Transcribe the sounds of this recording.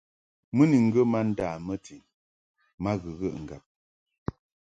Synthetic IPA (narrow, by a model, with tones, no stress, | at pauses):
mə˦ni˨ŋ̩˦ɡə˦ma˦n̩˦daː˨mə˦tʰi˨ŋ | ma˦ɣə˨ɣə˦˨ʔŋ̩˨ɡa˨p̚